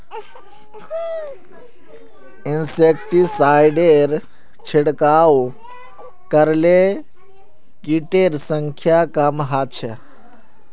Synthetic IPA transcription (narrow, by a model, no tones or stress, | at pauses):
insekʈisajɖeɾ | t͡ʃʰeɽkaːw | kəɾle | kiʈeɾsəŋkʰjakamɦat͡ʃʰe